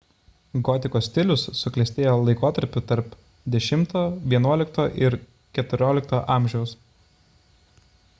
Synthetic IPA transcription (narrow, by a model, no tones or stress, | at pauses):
ɡɔːt̪ʲɪkoːsʲt̪ʲɪlʲʊsːʊklʲɛsʲt̪ʲeːjoːlˠɐɪkoːt̪ɐɾʲpʲʊt̪ɐɾp | d̪ʲɛʃʲɪmt̪oːʋʲiɛnuɔlʲɪk̚t̪oːʔɪɾ | kʲɛt̪ʊɾʲoːlʲɪk̚t̪oːʔɑːˑmʲʒʲɛʊs